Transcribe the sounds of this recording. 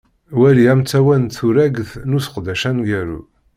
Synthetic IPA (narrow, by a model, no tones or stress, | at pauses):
wæliæmt͡sːæwænθuɾæɡθnusə̥qd̪æʃænɡæɾṵ